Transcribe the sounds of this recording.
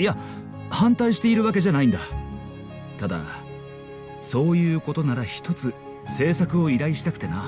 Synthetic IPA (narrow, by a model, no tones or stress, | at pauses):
ia | hãnt̪aiɕi̥t̪e̞iɾɯ̟βak̬e̞ʑanaĩnd̪a | t̪ad̪a̰ | so̞ːjɯ̟ːko̞t̪o̞naɾaçi̥t̪ʰo̞t͡sɨ | se̞ːsakɯ̟o̞iɾaiɕi̥t̪akɯ̥t̪e̞na